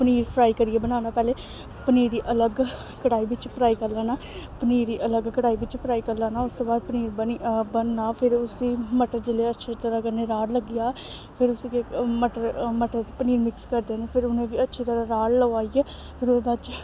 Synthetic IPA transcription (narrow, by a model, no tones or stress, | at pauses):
pəniːɾpʰɾaːiːkəɾieːbənaːnaːpɛːleː | pəniːɾiːʔələɡ | kəɽaːiːʋɪt͡ʃpʰɾaːiːkəɾlaːnaː | pəniːɾiːʔələɡkəɽaːiːʋɪt͡ʃpʰɾaːiːkəɾlaːnaːʊst̪oːbaːd̪̚pəniːɾbənibənːaːpʰɪɾʊsiːməʈəɾd͡ʒɪleːətːʃʰeːt̪əɾaːkəɾneːɾaːɽləɡɪjaː | pʰɪɾʊsːkeməʈəɾməʈəɾt̪epəniːɾmɪkskəɾd̪eːneːpʰɪɾʊnẽːʋiːətːʃʰeːt̪əɾaːɾaːɽləaːiːɛː | pʰɪɾʊbat͡ʃ